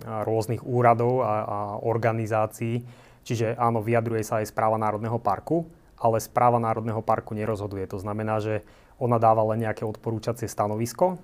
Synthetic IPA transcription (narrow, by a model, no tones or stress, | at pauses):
ɾʊɔzniɣuːɾad̪ɔʊaaɔɾɡanizaːt͡siː | t͡ʃiʒɛʔaːnɔʋiad̪ɾujɛsaːjspɾaːʋanaːɾɔd̪nɛɦɔpa̰ɾku | ʔalɛspɾʔaːʋanaːɾɔd̪nɛɦɔpaɾkuɲɛɾɔzɦɔd̪ujɛt̪ɔznamɛnaːʒɛ | ɔnad̪aːʋalɛnɲɛakɛɔt̪pɔɾuːt͡ʃat͡sɪɛst̪anɔʋiskɔ